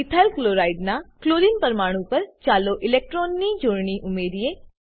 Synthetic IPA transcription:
it̪ʰalkloɾaiɖnakloɾinpəɾmaɽ̃ũpəɾt͡ʃaloʔɪlek̚ʈɾonːid͡ʒoɽɳiʔumeɾie

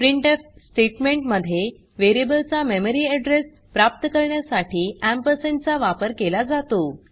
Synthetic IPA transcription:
pɾiɳʈefsʈeʈmẽɳʈməd̪ʱːje | ʋeɾijəbəlt͡sameməɾiːɛɖɾes | pɾap̚t̪əkəɾɳjasaʈiːæmpəsent͡saʋapəɾkelad͡zat̪o

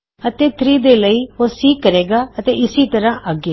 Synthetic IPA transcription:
ət̪eːt̪ʰɾiːd̪eːləiːɦosiːkːəɾeːɡaːɐt̪eɪsit̪ɐɾãʔəɡeː

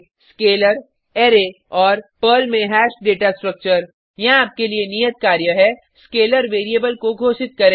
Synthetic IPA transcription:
skeːləɾ | eːɾe | ɔːɾpəlmɛːɦɛːʃɖeːʈasʈɾək̚t͡ʃəɾ | jɐɦaːp̚kelienijət̪̚kaːɾjəɦɛ | skeːləɾʋeːɾiebəlkoɡʱoːʃɪt̪̚kɐɾẽː

